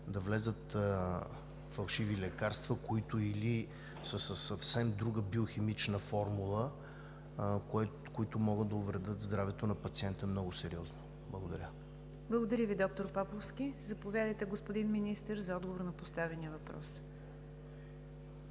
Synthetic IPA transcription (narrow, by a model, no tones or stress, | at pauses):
d̪ɐvlɛzət̪ | fɐlˠʃivilɛkaɾst̪vəkoit̪ʊili | səsəsɐfsɛmd̪ɾuɡəbioximit͡ʃnəfɔɾmulˠə | kɛ | koit̪ʊmɔɡəd̪̚d̪ɐʊvɾɛd̪ɤt̪zd̪ɾavɛt̪onɐpɐt̪siɛnt̪əɛmnɔɡʊsɛɾiɔzno | blˠɐ̰ɡod̪ɐɾʲə | blˠəɡod̪ɐɾʲəvid̪ɔk̚t̪oɾpapˠofskʲizɐpovʲjad̪əjt̪ɛɡospod̪inminist̪əɾzɐɔd̪ɡovoɾnɐpost̪avɛniəvɐpɾɔ̰s